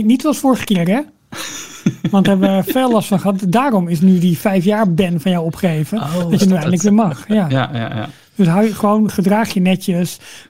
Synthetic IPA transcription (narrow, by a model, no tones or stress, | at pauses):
nitsoɑlˠsfʊːɹχə̥kɪːrɛ | ʋɑntəɦɛbʋəfeːlɑstfɑnχəɦɑtdaːɾɔmɪsnydifɛjfjaːɹbɛnfɑnjawɔpχejvəɑtjənyɛjndələkʋɪːəɹmɑχjja | d̥øsɦawjəχəʋownχədraːχjənɛtəs